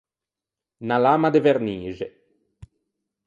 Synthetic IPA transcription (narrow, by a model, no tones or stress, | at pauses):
nalaːmad̪eveɾniːʒe